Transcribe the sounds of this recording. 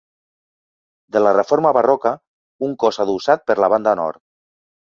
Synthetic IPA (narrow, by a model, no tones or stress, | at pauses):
d̪əlarefoɾmaβarɔkə | uŋkɔsaðusat̪̚pəɾlaβ̞and̪anɔ̰ɾt̪